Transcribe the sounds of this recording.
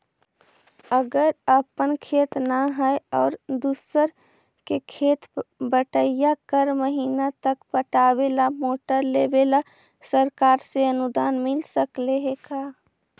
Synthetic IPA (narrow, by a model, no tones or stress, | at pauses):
əɡəɾəpənkʰeːt̪naɦɛeɔːɾd̪usəɾ | kekʰeːt̪bəʈəjakəɾməɦiːnat̪əkpəʈaːwelamoːʈəɾleːbela | səɾkaːɾseənʊd̪aːnmɪlsəkleɦekaː